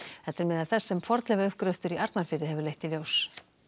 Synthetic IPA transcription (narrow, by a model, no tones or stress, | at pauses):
θɛt̪ːɛɾmɛːðaðθɛsːɛmfɔɾt̪lɛɣaʏhkɾœɥft̪ʏɾiʔaɾt̪nafɪːɾɪɦɛvʏɾlejht̪iljoːws